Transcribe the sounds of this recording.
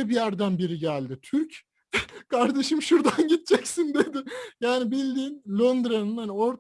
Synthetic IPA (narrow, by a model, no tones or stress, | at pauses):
ɛbijæɾd̪ænbiɾiɟælʲd̪ɪt̪ʰyɾc | kʰaɾd̪eʃɯmʃuɾd̪anɟit̪̚t͡ʃʰɛcsind̪e̞d̪ɪjaːnibilʲd̪iːnlʲond̪ɾanɯnhanio̞ɾt̪